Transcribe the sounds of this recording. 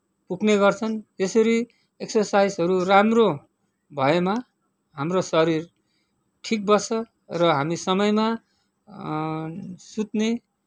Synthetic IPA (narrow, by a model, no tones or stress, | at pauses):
pukʰneɡʌrt͡sʰʌnd͡zesʌɾi | eksʌrsajzɦʌɾuramro | bʱʌema | ɦamrosʌɾir | ʈʰik̚bʌsʰʌ | rʌɦamisʌmʌjma | sut̪ne